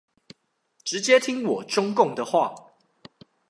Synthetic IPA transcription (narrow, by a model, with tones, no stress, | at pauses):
ʈ͡ʂɻ̩˨˦t͡ɕjɛ˦t̪ʰi˦ŋwɔ˨˩ʈ͡ʂʊ˦ŋkʊ˥˨ŋd̪ə˨xwa̰˥˨